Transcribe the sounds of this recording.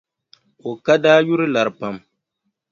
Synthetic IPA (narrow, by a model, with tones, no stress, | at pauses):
o˨ka˦daː˦ju˦ɾɨ˦la˨ɾɨ˨pa˦m